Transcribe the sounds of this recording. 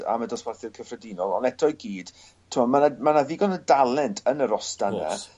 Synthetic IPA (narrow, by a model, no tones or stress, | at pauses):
a̰madɔsbarθɪrkʰəfrɛdinɔlˠɔ̰nɛtʰɔjɡiːd̥ | tʰːuɔmanamanaðɪɡɔnədalˠɛntʰənəɾɔstana̰